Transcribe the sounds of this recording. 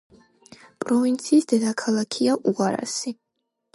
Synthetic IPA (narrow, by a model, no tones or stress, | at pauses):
pʼɾɔvint̪sʰiːsd̪ɛd̪akʰalˠakʰiaʔuaɾa̰si